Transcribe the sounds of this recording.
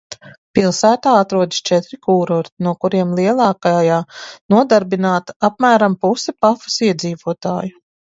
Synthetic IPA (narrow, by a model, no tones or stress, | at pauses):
pilˠsæːt̪aːat̪ɾuɔd̪i̥st͡ʃɛt̪ɾikuːɾɔːɾt̪inuɔkuɾiɛmlˠiɛlˠɑːkajaːnuɔd̪aɾbinaːt̪ap̚mæːɾampusɛpafu̥siɛd̪ziːvuɔt̪a̰ːju